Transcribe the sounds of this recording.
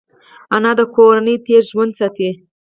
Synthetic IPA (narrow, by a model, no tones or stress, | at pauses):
anɑd̪əkʰoɾanəjt̪eɾʒwand̪sat̪i